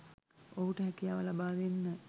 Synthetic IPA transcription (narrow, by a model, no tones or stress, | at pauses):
oɦuʈəɦækijaːʋəlabaːʋenːə